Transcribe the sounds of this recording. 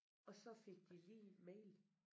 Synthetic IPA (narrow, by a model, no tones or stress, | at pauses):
ɒ̽sɒ̽fe̝ɡ̥̚d̥ilidmeɪ̰l